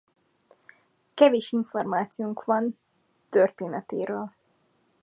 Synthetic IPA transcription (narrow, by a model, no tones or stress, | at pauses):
kɛveːʃiɱformaːt̪sijuŋkʋɒn | t̪ørt̪eːnɛt̪ḛːɾøːl